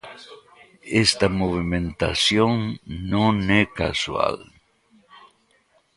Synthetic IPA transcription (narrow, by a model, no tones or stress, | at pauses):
est̪amoβimẽnt̪a̰sjõŋnõneka̰swa̰l